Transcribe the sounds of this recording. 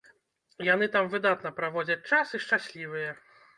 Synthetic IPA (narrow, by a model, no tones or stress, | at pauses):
jan̪ɨt̪amvɨd̪at̪nɐpɾavɔd͡zʲɐt͡sʲt͡ʂasɨʂt͡ʂasʲlʲivɨjɛ